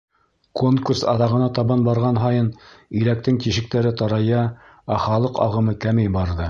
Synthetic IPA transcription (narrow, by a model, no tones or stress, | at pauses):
koŋkursɑ̰ðɑʁɤ̆nɑt̪ɑβɑnbɑɾʁɑnɦɑjɤnilæk̚t̪ɘŋt̪iʃɘ̆k̚t̪æɾɘt̪ɑɾɑjɑ | æχɑlˠɤqɑ̰ʁɤ̆mɤkæmejbɑɾðɤ